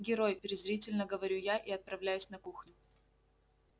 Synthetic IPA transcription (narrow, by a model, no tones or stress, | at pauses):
ɡʲɪɾo̞jpʲɪɾʲɪzɾʲitʲɪlʲnəɡəvɐɾʲujaʔiɐt̪̚pɾɐvlʲæjʉsʲnɐkuxnʲʊ